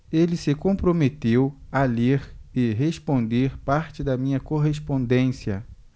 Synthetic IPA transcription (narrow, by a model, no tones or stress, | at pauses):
elɪsɪkõpɾomet̪ewaleɾɪɦespõnd̪eɾpaɾt͡ʃɪd̪ɐmĩɲɐkoɦespõnd̪ẽsiɐ̰